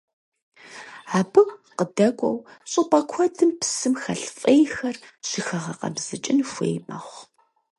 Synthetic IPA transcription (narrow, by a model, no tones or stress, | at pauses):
aːbɨqədɐkʷʼɔ̰wɕʼɨpʼɐkʷʰɔdʰɨmpʰsɨmxɐɬfʼejxɐrʃɪxɐʁɐqɐ̰bz̥ɨt͡ʃʼɪnfʷḛjma̰χʷ